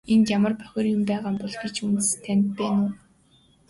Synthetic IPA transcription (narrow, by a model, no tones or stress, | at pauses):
ent̪jamə̆rpœ̥xʲɪ̆rjʊmpæːʁaːmpɔɮɡet͡ɕunt̪̆st̪ʰːæn̆ʲt̪̚pæːnʊː